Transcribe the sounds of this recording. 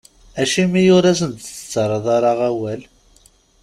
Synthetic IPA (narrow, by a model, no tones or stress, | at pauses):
æʃimijʊɾæs̬ənt̪t͡sːə̥t͡sːəɾˤɑðˤɑɾˤɑʁæwæl